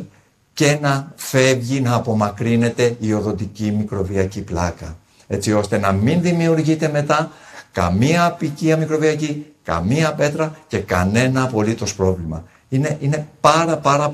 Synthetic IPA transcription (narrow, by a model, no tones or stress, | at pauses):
ce̞nɐfe̞vʝinɐːpo̞mɐkɾine̞t̪e̞io̞ðo̞nd̪icimikɾo̞viɐciplɐkɐ | e̞t͡sio̞st̪e̞nɐminðimiuɾʝit̪e̞me̞t̪ɐkɐ̰miɐpiciɐmikɾo̞viɐcikɐ̰miɐpe̞t̪ɾɐce̞kɐ̰ne̞nɐːpo̞lit̪o̞spɾo̞vlimɐ̰ | ineʔine̞pɐɾɐpɐɾɐ